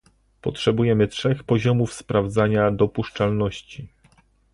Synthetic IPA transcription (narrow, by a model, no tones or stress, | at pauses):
pɔtʂɛbujɛmɘtʂɛxpɔʑɔmufspɾavd̪zaɲad̪ɔpuʂt͡ʂalnɔɕt͡ɕi